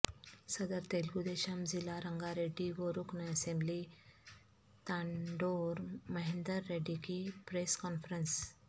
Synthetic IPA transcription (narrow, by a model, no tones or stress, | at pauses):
səd̪əɾt̪elɡud̪eɕamd͡zilaɾəŋɡaɾeɖiʋoɾuknəəsembli | t̪ãɳɖoɾməɦend̪əɾːeɖikipɾeskɔnfɾəns